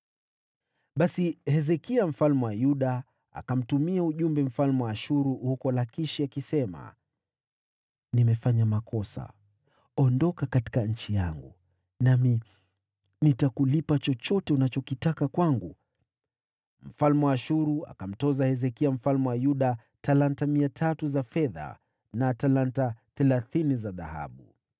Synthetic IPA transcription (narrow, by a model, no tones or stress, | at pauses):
ɓasihɛzɛkiam̩falmɛwajuɗa | a̰kam̩tumiauʄumbɛm̩falmɛwaaʃuɾuhukɔlakiʃiakisɛma̰ | nimɛfaɲamakɔsa̰ | ɔndɔkakati̥kaɲ̩t͡ʃijaŋɡu | nami | nitakulipat͡ʃɔt͡ʃɔtɛunat͡ʃɔkitakakwaŋɡu | m̩falmɛwaːʃuɾua̰kam̩tɔzahɛzɛkiam̩falmɛwajuɗa | talantamiatʰatuzafɛða̰ | natalantaθɛlaθinizaða̰ha̰ɓu